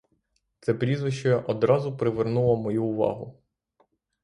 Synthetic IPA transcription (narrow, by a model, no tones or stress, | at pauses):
t̪sɛpɾʲizʋɪʃt͡ʃɐjɐʔɔd̪ɾɑzʊpɾɪʋernulˠɐmɔjuːʋɑ̰ɦʊ